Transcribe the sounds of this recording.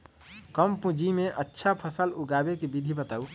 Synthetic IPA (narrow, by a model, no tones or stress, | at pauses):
kəmpũd͡ʒimẽʔətːʃʰapʰəsəluɡabekebid̪ʱibət̪aːu